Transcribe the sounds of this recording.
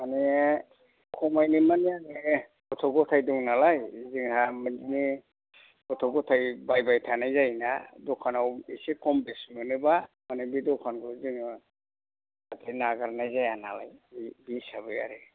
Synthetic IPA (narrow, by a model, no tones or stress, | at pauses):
maneɛ | kʰɔmajnɯmaneaŋe | ɔtʰɔɡɔtʰajdɔŋnalajziŋhamɯnd͡ʒini | kɔtʰɔɡɔtʰajbajbajtʰanajzajnadɔkʰanawisekʰɔmbesmɯnɯbamanebidɔkʰanɡɔzɯŋ | atʰenaɡaɾnajzajana̰la̰jbisaβɯja̰ɾɯ